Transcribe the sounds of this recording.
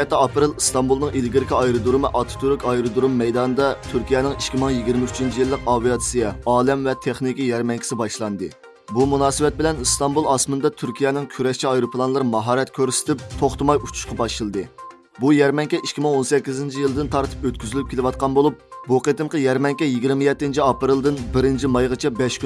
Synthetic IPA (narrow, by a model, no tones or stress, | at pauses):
ɛt̪ːɛɑpɾɨlˠɨst̪ɑmbulˠnɨŋʔilɡʲiɾɪkʲʰiɑjɾɨd̪uɾmɨʔɑt̪ʰu̥t̪ʰuɾkʲɑjɾɨd̪uɾumːɛjd̪ɑːnɨd̪ɑt̪ʰyɾkʲʰijɛːnɪŋikʲkʲʰimɪŋjiɡʲiɾmɪyt͡ʃʰint͡ʃʰijilˠːəqɑvijɑt̪sijɛɑːlɛmvɛt̪ʰeχnikʲijɛɾmɛŋkʲi̥sɪbɑʃlˠɑnd̪ɨ | bumunɑːsɨwɛt̪̚bɪlɛnɨst̪ɑmbulˠɑsmɨnd̪ɑt̪ʰyɾkʲʰijɛnɪŋkʲʰyɾɛʃt͡ʃʰiɑjɾopʰlˠɑnlˠɨɾmɑɦɑːɾɛt̪kʲʰøɾsɪ̥t̪ʰɪp̚t̪ʰoχt̪ɨmɑjut͡ʃʰu̥ʃqɑbɑʃɨlˠd̪ɨ | bujɛɾmɛŋkʲɛʔikʲʰːimɪŋonsɛkʲːizɪnt͡ʃʰijilˠɨd̪ɪnt̪ʰɑɾt̪ʰɨ̥pøt̪̚kʲyzylyp̚kʲelɪwɑt̪̚qɑnbolˠup̚buqʰet̪ɨmqʰɑjɛɾmɛŋkʲɛjiɡʲiɾmɪjɛt̪ːɪnt͡ʃʰiɑpɨɾɨlˠd̪ɨnbɪɾɪnt͡ʃʰimɑjʁɨt͡ʃʰɛbɛʃkʲy